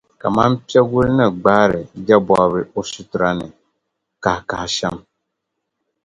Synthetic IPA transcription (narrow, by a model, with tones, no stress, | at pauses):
ka̰˨ma˦mpi˦ɛ˦ɡu˦lnɨ˨ɡ͡baː˦ɾɪ˨d͡ʒɛ˦bɔ˨˦βɨ˦o˦su˦tʊ˨ɾa˦nɨ˨ | ka˨hka˨hʃɛ˦m